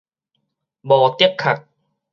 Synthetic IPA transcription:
bɔː˨˩t̪i˥˩əkʰːa˨˩t̪̚

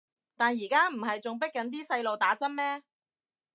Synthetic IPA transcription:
t̪aː˨njiː˨˩kaː˥m̩˨˩ɦɐ˨jt͡sʊ˨ŋp̬ɪ˥k̚ːɐ˨˥nt̪̬iː˥sɐ˧jlo˨wt̪aː˨˥t͡sɐ˥nmɛː˥

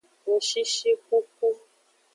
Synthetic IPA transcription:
ŋ̩˨ʃi˦ʃi˦ku˦k̚u˦

